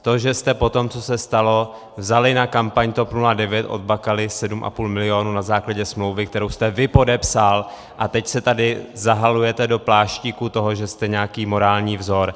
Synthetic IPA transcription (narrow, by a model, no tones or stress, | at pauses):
t̪o̞ʒɛst̪ɛpo̞t̪o̞mt͡so̞sɛst̪alo̞ | vzalɪnakampaɲt̪o̞pnuladɛvjɛt̪ʔo̞̰d̪̚bakalɪsɛdumʔa̰puːlmɪlɪo̞ːnunazaːklaɟɛsmlo̞wvɪkt̪ɛɾo̞wst̪ɛvɪpo̞dɛpsal | ʔat̪ɛcsɛt̪adɪzaɦalujɛt̪ɛdo̞plaːʃciːkut̪o̞ɦoʒɛst̪ɛɲɛakiːmo̞ɾaːlɲiːvzo̞ɾ